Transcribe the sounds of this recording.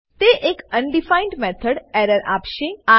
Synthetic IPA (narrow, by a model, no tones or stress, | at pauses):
t̪eʔekənɖifaɪɳɖmɛt̪ʰəɽɛɾəɾa̰ːpʃea